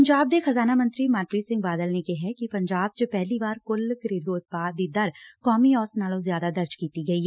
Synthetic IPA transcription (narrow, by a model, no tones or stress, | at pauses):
ɲd͡ʒaːb̚d̪exɐzaːnamɐ̃nt̪ɾimaːt̪ɾisɪ̃ŋɡ̚baːd̪əlnekeɦɛkipɐ̃ɲd͡ʒaːb̚t͡ʃopɛɦlibaːɾkʊlkɾeːd̪uʊt̪̚paːd̪id̪ɐɾkɔːmiɔːsnaːlõzjaːd̪ad̪ɐɾd͡ʒkiːt̪iɡɐiː